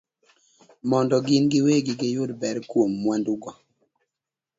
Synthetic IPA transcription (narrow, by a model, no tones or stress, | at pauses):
mɔndɔɡɪnɡɪweɡɪɡɪjʊdbɛɾkwomːwanduɡɔ